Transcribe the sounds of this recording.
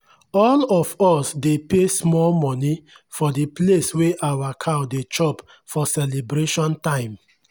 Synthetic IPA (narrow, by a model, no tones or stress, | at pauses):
ɔlɔfɔsdepesmɔlmɔni | fɔdiplesweʔawakʰadet͡ʃɔp | fɔsɛlebɾeʃɔ̃ntãɪ̃m